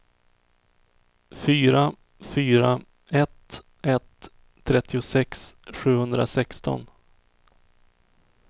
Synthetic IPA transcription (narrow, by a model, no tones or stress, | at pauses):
fyːɾa | fyːɾa | ɛt̪ | ɛt̪ʰː | ɾɛt̪ʰːɪʊsɛksɧʉ̟ːhɵnd̪ɾa̰sɛkst̪ɔ̰n